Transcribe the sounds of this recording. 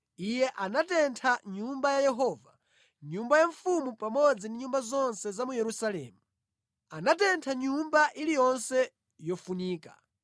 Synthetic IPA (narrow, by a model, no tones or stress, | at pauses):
ijɛʔanatɛntʰaɲumbajajɛɦɔːva | ɲumbajaɱfumupamɔd͡zindiɲumbazɔnsɛzamujɛɾusalɛ̰ːmu | anatɛntʰaɲumbaʔilijɔnsɛ | jɔfuniːka̰